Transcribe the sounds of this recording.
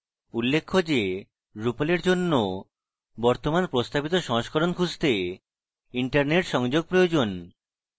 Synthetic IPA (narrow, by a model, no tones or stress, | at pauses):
ulːekʰːod͡ʑe | ɾupoleɾd͡ʑonːo | bɔɾt̪omanpɾost̪abit̪oʃɔɦoʃkʰɔɾonkʰud͡ʑt̪e | iɳʈaɾneʈʃɔŋd͡ʑoɡ̚pɾojod͡ʑon